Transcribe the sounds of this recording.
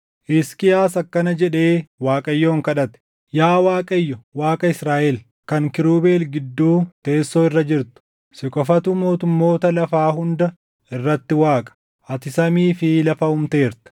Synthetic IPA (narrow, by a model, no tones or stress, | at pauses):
ʔɪskɪjaːsɐkːɐnɐd͡ʒɛᶑe̞ːwaːkʼɐjːo̞ːŋkɐᶑɐt̪ɛ̥ | jaːwaːkʼɐjːɔwaːkʼɐɪsɾaːʔɛl | kɐŋkɪɾuːbe̞ːlɡɪd̪ːuːt̪e̞ːsːoːɪrːɐd͡ʒɪɾt̪ʊ̥ | sɪkʼɔfɐt̪ʊmo̞ːt̪ʊmːo̞ːt̪ɐlɐfaːɦʊnd̪ɐ | ɪrːɐt̪ːɪwaːkʼɐ̥ | ʔɐt̪ɪsɐmiːfɪlɐfɐhʊmt̪e̞ːɾt̪ɐ̥